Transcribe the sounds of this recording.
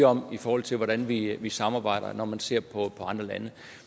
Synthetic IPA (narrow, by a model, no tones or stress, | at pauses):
ɒ̽m̰ifɒːhɒ̽l̰t͡sʰe̝lʋɒɾænʋiʋisɑ̈mɑ̈ːb̥ɑ̈ɪ̰ɾ̥ɐ̰nɒmænse̝ɐ̰pʰɒ̽pʰɒ̽ɑ̈nd̥ʁɐlænə